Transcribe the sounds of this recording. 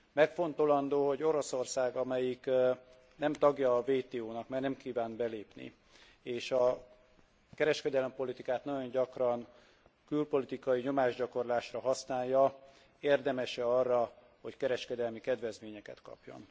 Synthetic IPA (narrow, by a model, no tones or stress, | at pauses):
mɛkfo̞nt̪o̞lɒnd̪oːɦo̞ɟo̞ɾo̞so̞rsaːɡɒmɛjik | nɛmt̪ɒɡjɒːveːt̪eːoːnɒkmaːrnɛmkiːvaːnbɛleːpnḭ | eːʃɒ | kɛɾɛʃkɛd̪ɛlɛmpo̞lit̪ikaːt̪nɒɟo̞ɲɟɒkrɒn | kylpo̞lit̪ikɒjiɲo̞maːʒɟɒko̞rlaːʃrɒɦɒsnaːjːɒ | eːrd̪ɛmɛʃɛɒrːɒ | ho̞ckɛɾɛʃkɛd̪ɛlmikɛd̪vɛzmeːɲɛkɛ̰t̪kɒ̰pjo̰n